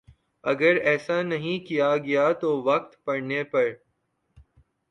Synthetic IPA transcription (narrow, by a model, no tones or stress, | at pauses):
ɐɡəɾɛːsanɐɦĩkijaɡɐjat̪oʋɐqt̪pɐɽnepɐɾ